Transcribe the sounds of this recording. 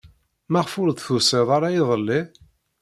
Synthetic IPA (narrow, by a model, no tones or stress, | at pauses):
maʁfʊlðθuseðˤaɾajiðˤəlːi